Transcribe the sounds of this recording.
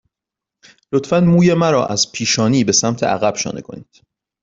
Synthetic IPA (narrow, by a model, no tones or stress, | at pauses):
lo̞t̪ʰfænmuːje̞mæɾɒ̰ːʔæz̥pʰiːʃɒːniːbe̞sæmt̪ʰe̞̰ʔæ̰ɣæb̥ʃɒ̰ːnḛkʰo̞̰niːd̪̥